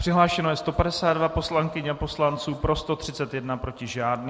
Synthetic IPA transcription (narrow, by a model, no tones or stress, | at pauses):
pr̥ɪɦlaːʃɛno̞jɛst̪o̞padɛsaːd̪dvapo̞slaŋkɪɲɛapo̞slant͡suːpɾo̞st̪o̞t̪r̝̥ɪt͡sɛt̪jɛdnapɾo̞cɪʒaːdn